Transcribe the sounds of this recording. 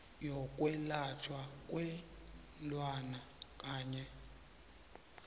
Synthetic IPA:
jɔkʼwɛlatʰwakʼwɛ | lwana | kʼaːɲɛ

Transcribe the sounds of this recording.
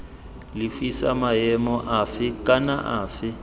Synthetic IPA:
lɪfisa̰majɛmɔʔafɪkʼanaʔaːfɪ

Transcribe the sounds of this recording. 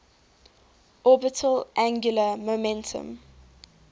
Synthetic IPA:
ʔɔbətʰəlʔæ̃ŋɡjuləmomɛ̃ntʰə̰̃m

